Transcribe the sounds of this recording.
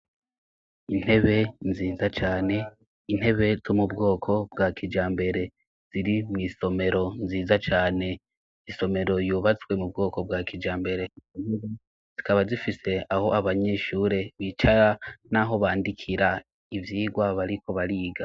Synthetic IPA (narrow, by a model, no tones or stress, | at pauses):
in̥he̞βe̞nziːzat͡ʃaːne̞ | in̥he̞βe̞zo̞mubɡo̞ːkʰo̞bɡakʰid͡ʒaːmbe̞ɾe̞ | z̥iɾimŋiːso̞me̞ɾo̞nziːzat͡ʃaːne̞ | iso̞me̞ɾo̞juːβat͡swe̞mubɡo̞ːko̞b̚ɡakʰid͡ʒaːmbe̞ɾe̞ineβe | z̥ikaβazifise̞aho̞ʔaβaɲe̞ʃuːɾe̞βit͡ʃaɾanaɦo̞βaːndikʰiɾa | ivjiːɡwaβaɾiko̞βaɾiːɡa